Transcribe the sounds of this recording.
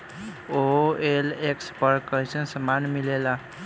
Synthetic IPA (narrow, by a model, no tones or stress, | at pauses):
oelekspəɾkəɦjsənsəmanmilela